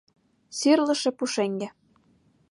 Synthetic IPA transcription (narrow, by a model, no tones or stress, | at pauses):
syrlɤ̆ʃĕpuʃeŋɡĕ